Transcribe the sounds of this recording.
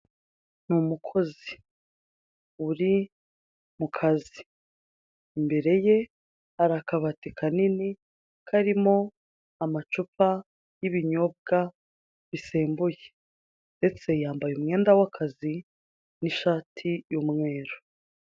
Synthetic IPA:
numukʰo̞zi | uɾi | mukʰazi | mbe̞ɾe̞je | aɾakaβatekʰanini | kʰaɾimo̞ | amat͡ʃupa | jiβiɲo̞b̚ɡa | βise̞ːmbuje | nde̞t͡se̞jaːmbajumŋe̞ːndawakʰazi | niʃaːtʰijumŋe̞ːɾo̥

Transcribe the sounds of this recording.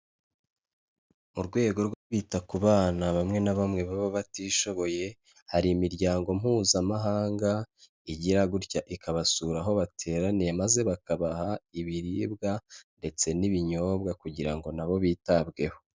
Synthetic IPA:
muɾɡwe̞ːɡo̞ɾɡwo̞ɾɡwiːtakuβaːnaβamŋe̞naβamŋe̞βaβoβatiːʃo̞βo̞je̞ | haɾiːmiɾɟaːŋɡo̞m̥huːzamaɦaːŋɡa | iɟiɾaɡuɾcaʔikaβasuɾaɦo̞βatʰe̞ːɾanijemaze̞βakaβahaiβiɾiːbɡande̞t͡se̞niβiɲo̞ːbɡakuɟiɾaŋɡo̞naβo̞βiːtabɡe̞ho̞̥

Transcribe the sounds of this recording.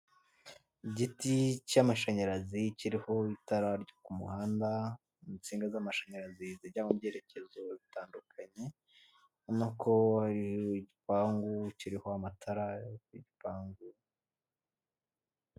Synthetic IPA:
iɟiticamaʃaɲaɾaziciɾiho̞itaɾaɾɟokumṵhaːnda | it͡siːŋɡazamaʃaɲaɾaziziɾɟaŋubɟe̞ːɾe̞ce̞zo̞βitaːndukʰaɲe̞ | onakʰohaɾioiɟipaːŋɡuciɾiho̞amatʰaɾajkiɟipaːŋɡu

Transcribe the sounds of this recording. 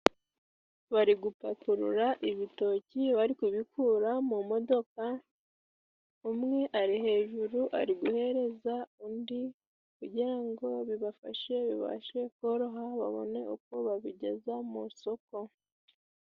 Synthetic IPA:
βaɾiɡupatuɾṵɾaʔiβito̞ciβaɾikuβikʰuːɾamumo̞do̞ka | umŋe̞ʔaɾihe̞ːʒuɾuʔa̰ɾiɡuhe̞ɾe̞zaundi | kuɟiɾaŋɡo̞βiβafa̰ʃe̞βiβa̰ʃe̞koɾo̞ɦaβa̰βo̞̰ne̞uko̞βaβiɟe̞̰zamuso̞ko̞

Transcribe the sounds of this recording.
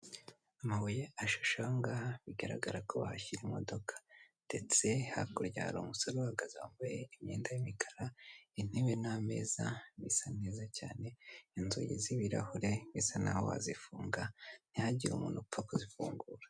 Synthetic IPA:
amaβujeaʃu̥ʃoŋɡaːhaβiɡaɾa̰ɡaɾakʰo̞βa̰haçiɾimo̞do̞kʰḁnd̥e̞t͡se̞ha̰kuɾɟa̰ɾomusoɾohaɡazaambajeimɲeːndajimikʰaɾain̥iβename̞̰ːzaβisane̞ːzacaːne̞inzujḭziβiɾa̰huɾe̞βisana̰ho̰ha̰zifuːŋɡan̥ihaɟiɾṵmuːnufakuzifuːŋɡuːɾḁ

